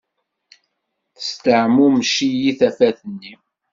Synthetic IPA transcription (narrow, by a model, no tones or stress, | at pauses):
θə̥st̪əʕmumʃijiθæfæθənːi